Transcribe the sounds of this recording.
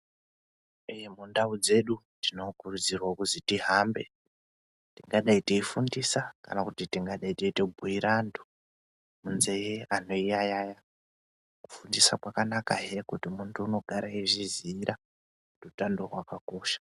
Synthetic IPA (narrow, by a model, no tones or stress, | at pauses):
ejemundaud͡ze̞ɗu | tino̞kurud͡zirwakuzitiɦambe̞̰ | tiŋɡaɗaitiifundisaka̰nakutitiŋɡaɗaiteitebʱuiɾʔando | munzejeano̞ijajaja | ku̥fundisakwakanakaɦekutimuntʰuːno̞ɡʱaɾaeʐiziɾʔa | rutando̞rwakako̞ːʃḁ